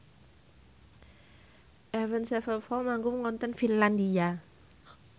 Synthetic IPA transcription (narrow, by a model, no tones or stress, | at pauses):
ʔɛvənsɛfəfɔmaŋɡumŋɔnt̪ənfinland̪ia